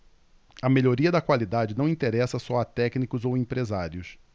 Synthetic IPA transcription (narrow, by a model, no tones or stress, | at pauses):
ɐmeʎoɾiɐd̪ɐkwalid̪ad͡ʒɪnɐ̃w̃ĩt̪eɾɛsɐsɔat̪ɛknikʊzowẽpɾezaɾjʊs